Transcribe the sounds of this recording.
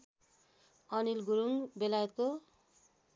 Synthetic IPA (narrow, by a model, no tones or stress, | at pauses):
ʌnilɡuɾuŋbelajet̪̚ko